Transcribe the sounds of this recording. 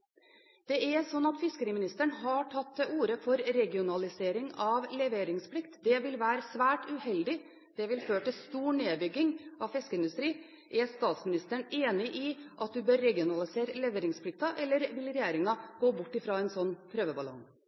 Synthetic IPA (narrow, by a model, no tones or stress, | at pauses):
d̪̥ɛɛsɔnːɑt̪fɪskəɾiːəmɪnɪst̪əɳɦɑʈʰɑt̪ːɛʔuːɾəfɔɾɾɛɡɪʊnɑlɪseːɾɪŋɑʋlɛʋeːɾɪŋspʰlɪkt̪d̪ɛʋɪlʋæːɾəsʋæːʈʉhɛld̪ɪ | d̪̥ɛʋɪlføːʈɪlst̪uːɳeːbʏɡːɪŋɑfɪskəɪnd̪ʉst̪ɾiː | ʔɛst̪ɑːt̪smɪnɪst̪əɳeːnɪʔɪʔɑt̪̚d̪ʉbøːɾːɛɡɪʊnɑlɪseːɾəlɛʋeːɾɪŋspʰlɪk̚t̪ɑʔɛlːəɾʋɪlɾɛjeːɾɪŋɑɡ̥oːbʊʈːɪfɾɑːɛnsɔnːpʰɾøːʋəbɑlɔ̰ŋ